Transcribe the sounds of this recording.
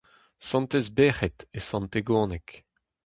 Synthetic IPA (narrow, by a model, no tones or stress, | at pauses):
sɑ̃nt̪ezbeːʁɛt̪esɑ̃nt̪eɡõːnɛk